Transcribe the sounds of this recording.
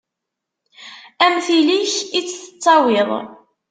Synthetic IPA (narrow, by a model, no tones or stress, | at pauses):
æmθiliçit͡sːθə̥t͡sˤːɑwɪðˤ